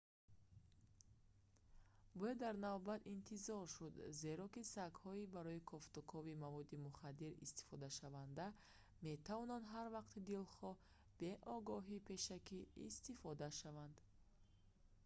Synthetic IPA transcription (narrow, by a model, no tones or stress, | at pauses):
bɔjad̪ːaɾnavbat̪int̪ʰizɔɾʃud̪ze̞ɾɔkisakhɔibaɾɔikʰɔft̪ukʰɔvimavɔd̪imuχad̪iɾḭst̪i̥fɔd̪aʃavand̪a | me̞t̪ʰavɔnand̪ɦaɾvaqt̪id̪ilχɔ | b̥e̞ʔɔɡɔɦipʰe̞ʃakḭːst̪ifɔd̪aʃavand̪